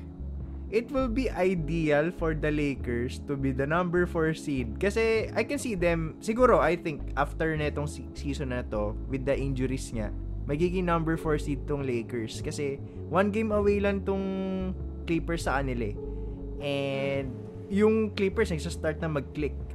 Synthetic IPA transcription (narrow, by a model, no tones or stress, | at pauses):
ʔɪt̪wɪlbiʔajd̪iɐlfɔɹd̪ɐlejkɛɹst̪ʊbid̪ɐnɐ̃mbɛɹfoɹsid̪̚kɐsɛʔajkɛnsiːd̪ɛmsɪɡuːɾo̞ʔajθɪŋk̚ʔaft̪ɛɹnɐɛt̪oŋs | siːsonɐt̪o̞wɪd̪ːɐʔɪnd͡ʒʊɾisɲa̰mɐɡiːɡɪŋnɐ̃mbɛɹfoɹsid̪̚t̪ʊŋlejkɛɹskɐsɛ | wanɡẽjmɐwejlɐnt̪ʊŋ | klɪpɛɹsːɐʔɐnɪla | ʔɛnd̪̚ | jʊŋklɪpɛɹsnɐɡsast̪aɹt̪̚nɐmɐɡ̚klɪk̚